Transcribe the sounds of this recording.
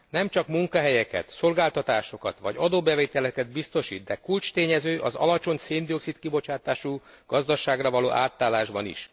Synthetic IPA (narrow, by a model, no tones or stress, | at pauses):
nɛmt͡ʃɒkmuŋkɒɦɛjɛkɛ̰t̪so̞lɡaːlt̪ɒt̪aːʃo̞kɒt̪ʋɒ̰ɟɒd̪oːbɛveːt̪ɛlɛkɛd̪bist̪o̞ʃḭːd̪d̪ɛkult͡ʃt̪eːɲɛzøːʔɒzɒ̰lɒt͡ʃo̞ɲseːnd̪io̞ksit̪kibo̞t͡ʃaːt̪aːʃu | ɡ̥ɒzd̪ɒʃaːɡrɒvɒloːʔaːt̪ːaːlːaːʒbɒnḭʃ